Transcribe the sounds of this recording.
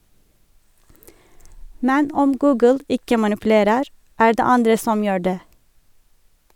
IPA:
ˈmɛn ˈɔm ˈɡʉːɡəl ˈɪkə mɑnɪpʉˈleːɾəɾ ˈæː ˈɖeː ˈɑndɹə ˈsɔm ˈjøː ˈɖeː

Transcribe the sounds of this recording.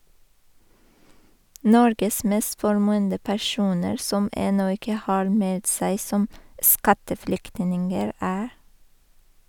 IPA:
ˈnɔɾɡəs ˈmeːst fɔɾˈmʉːəndə pæˈʃuːnəɾ ˈsɔm ˈɛnɔ ˈɪkə ˈhɑːɾ ˈmɛlt ˈsæɪ ˈsɔm ˈskɑtəˌfɽʏktnɪŋəɹ ˈæː

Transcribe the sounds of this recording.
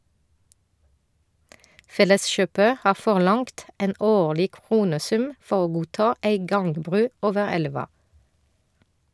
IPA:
ˈfɛləsˌʃøːpə ˈhɑː fɔʁˈlɑŋkt ˈeːn ˈoːɭɪ ˈkʁuːnəˌsʉm ˈfɔ ˈoː ˈɡuːˌtɑː ˈæɪ ˈɡɑŋɡˌbʁʉː ˈoːʋə ˈɛlʋɑ

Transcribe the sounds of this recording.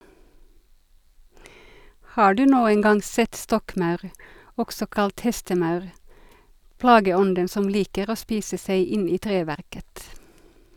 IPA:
ˈhɑː ˈɖʉː ˈnuːən ˈɡɑŋ ˈsɛt ˈstɔkˌmɑʉʁ ˈɔksɔ ˈkɑlt ˈhɛstəˌmɑʉʁ ˈplɑːɡəˌɔndən ˈsɔm ˈliːkəʁ ˈoː ˈspiːsə ˈsæɪ ˈɪn ˈiː ˈtʁeːʋæʁkət

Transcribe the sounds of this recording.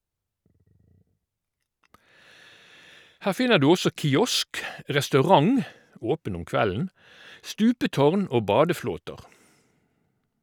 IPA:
ˈhæːʁ ˈfɪnəʁ ˈdʉː ˈɔsɔ kɪˈɔsk ʁɛstɑʉˈʁɑŋ ˈoːpən ˈʊm ˈkʋæln̩ ˈstʉːpəˌtɔʁn ˈoː ˈbɑːdəˌfloːtəʁ

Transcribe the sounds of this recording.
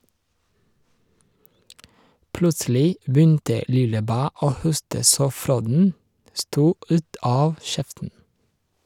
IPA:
ˈplʉtsl̩ɪ ˈbʏntə ˈlɪləˌbæː ˈoː ˈhʊstə ˈsoː ˈfɾoːdn̩ ˈstuː ˈʉːt ˈɑːʋ ˈʃɛftn̩

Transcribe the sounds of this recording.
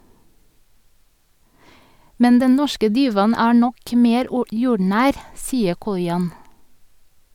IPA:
ˈmɛn ˈdɛn ˈnɔʃkə ˈdiːʋɑn ˈæː ˈɳɔk ˈmeːɾ ˈjuːɖɳæːɾ ˈsiːə ˈkɔʏɑn

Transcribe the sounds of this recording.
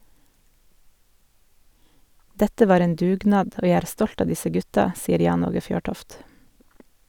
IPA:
ˈdɛtə ˈʋɑːɾ ˈeːn ˈdʉːˌɡnɑːd ˈoː ˈjæ ˈæːɾ ˈstɔlt ˈɑː ˈdɪsə ˈɡʉtɑ ˈsiːəɾ ˈjɑːn ˈoːɡə ˈfjøːˌʈɔft

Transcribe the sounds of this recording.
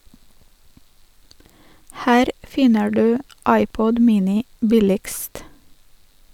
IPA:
ˈhæːɾ ˈfɪnə ˈɖʉː ˈɑɪˌpɔd ˈmiːnɪ ˈbɪlɪɡst

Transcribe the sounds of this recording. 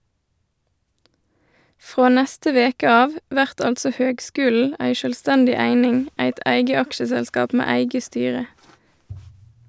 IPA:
ˈfʁoː ˈnɛstə ˈʋeːkə ˈɑːʋ ˈʋæʁt ˈɑltsɔ ˈhøːɡˌskʉːl̩ ˈæɪ ʃœlˈstɛndɪ ˈæɪnɪŋ ˈæɪt ˈʔæɪɡə ˈɑkʃəsɛlˌskɑːp ˈmeː ˈæɪɡə ˈstyːʁə

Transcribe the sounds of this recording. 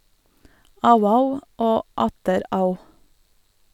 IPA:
ˈɑʉə ˈɑʉ ˈoː ˈɑtəɾ ˈɑʉ

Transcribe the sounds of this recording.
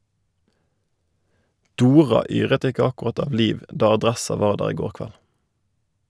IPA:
ˈduːʁɑ ˈyːʁət ˈɪkə ɑkʊˈʁɑt ˈɑː ˈliːʋ ˈdɑː ɑˈdʁɛsɑ ˈʋɑːʁ ˈdæːʁ ˈiː ˈɡoːʁ ˈkʋæl

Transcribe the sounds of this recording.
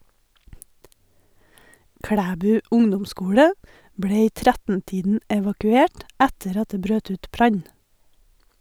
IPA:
ˈkɽæːbʉː ˈʊŋdʊmˌskuːɽə ˈbɽeː ˈiː ˈtɾɛtn̩ˌtiːdn̩ ɛʋɑkʉˈeːʈ ˈɛtəɾ ˈɑt ˈdeː ˈbɾøːt ˈʉːt ˈbɾɑɲ

